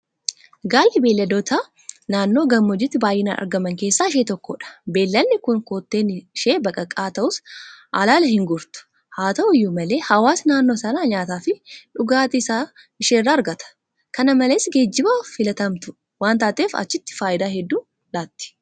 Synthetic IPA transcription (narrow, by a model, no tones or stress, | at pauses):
ɡaːlːɪbe̞ːlːɐd̪oːt̪ʰa | naːnːoːɡɐmːɔd͡ʒɪt̪ːɪbaːjʔɪnanʔɐ̰ɾɡɐmɐŋke̞ːsːaːɪʃ̬eːt̪ɔkːo̰ᶑɐ̥be̞ːlːɐlːɪkʊŋkoːt̪ːe̞ːnʃe̞ːbɐkʼɐkʼaːt̪ɐʔʊsʔalaːlɐhɪŋɡʊɾt̪ʊ̥ | haːt̪ɐʔʊjːʊmɐle̞ːhɐwaːsnaːnːo̞ːsɐnaːɲaːt̪aːfɪᶑʊɡaːt̪ɪsaː | ɪʃeːrːaːɐɾɡɐt̪ɐ̥ | kɐnɐmɐleːsɡe̞ːd͡ʒːɪbaːfɪlɐt̪ɐmt̪ʊ | waːnt̪aːt̪eːfɐ̰t͡ʃːɪt̪ːɪ̥faːʔɪd̪aːhɛd̪ːuː | laːt̪ːɪ̥